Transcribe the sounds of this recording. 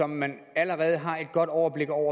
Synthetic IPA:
ɒ̽mːæn | æləʁɛːð̞̩ˠəɦɑ̈e̝d̥̚ɡ̥ɒ̽d̥ɒʊɐb̥le̝ɡ̥ɒʊ̰ɐ

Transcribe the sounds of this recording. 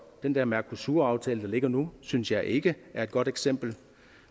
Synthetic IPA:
d̥end̥ɛɐ̰mæɐkʰusuːɐɑ̈ʊt͡sʰɛ̰ːləd̥ɑ̈le̝ɡ̥ɐnusynsjɑ̈ɪʔe̝ɡ̥əæɐed̚ɡ̥ɒ̽ɾ̥eɡ̥sem̰b̥l̩

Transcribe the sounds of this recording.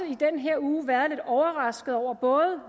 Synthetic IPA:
id̥enɦeɐ̰uːʋæːɐðˠle̝d̥ɒʊɐʁɑ̈sɡ̥ð̩ˠɒʊ̰ɐb̥ɔ̽ːð̩ˠ

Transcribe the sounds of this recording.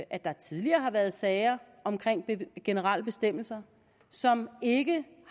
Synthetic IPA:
ʔæd̥ɑ̈t͡sʰiðˠliɐːɦɑ̈ʋæɐð̞ˠsɛɪɐ | ɒ̽mkʰʁeŋ̰b̥ɡ̥e̝nəʁɑl̰əb̥e̝sd̥em̰l̩sɐ | sɒ̽me̝ɡ̥əh

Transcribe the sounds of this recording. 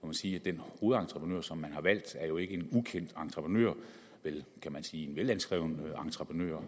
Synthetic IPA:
kæmænsiːæd̥enho̝ːð̩ˠɑ̈nt͡sʰʁəpʰʁnø̰ɐ̰sɒ̽mːænhɑ̈ʋæl̰d̥æɐjo̝e̝ɡ̥əe̝nukʰen̰d̥ɑ̈nt͡sʰʁəpʰʁənø̰ɐ̰ | ʋelkʰæmænsiːe̝nʋelænsɡ̥ʁɛ̰ʊnəɑ̈nt͡sʰʁɐpʰʁənø̰ːɐ̰

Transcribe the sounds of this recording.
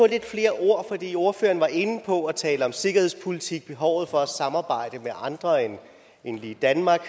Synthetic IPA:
ɒ̽le̝d̥fle̝ːɐʔo̝ɐ̰fɒ̽d̥ḭːo̝ɐføːɐn̩ʋɑ̈ʔe̝n̩pʰɒ̽æt͡sʰɛːləɒ̽mse̝ɡ̥ɐhespʰolit͡sʰiɡ̥̚b̥e̝ɦɒʊ̰ð̩ˠfɒ̽æsɑ̈mɑ̈ːb̥ɑ̈ɪ̰d̥əmeʔɑ̈nd̥ʁɐen | enlid̥ænmɑ̈ːɡ̥

